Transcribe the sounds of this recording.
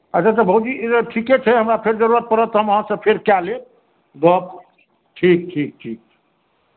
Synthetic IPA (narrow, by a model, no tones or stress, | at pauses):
ət͡ʃat̪əbʱəud͡ʒiʈʰiket͡ʃʰɛɦəmɾapʰeɾd͡ʒəɾuɾət̪̚pəɾət̪ːɔɦəməɦãsəb̚pʰeɾkjale | ɡɔp̚ | ʈʰik̚ʈʰik̚ʈʰik̚ʰ